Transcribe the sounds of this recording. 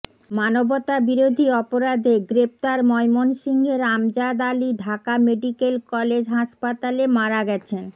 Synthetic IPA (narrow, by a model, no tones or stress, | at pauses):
manobot̪abiɾod̪ʱiɔpoɾad̪ʱeɡɾep̚t̪aɾmɔjmonʃiŋɡʱeɾamd͡ʑad̪aliɖʱakameɖikelkɔled͡ʑɦaʃpat̪alemaɾaɡɛt͡ɕʰen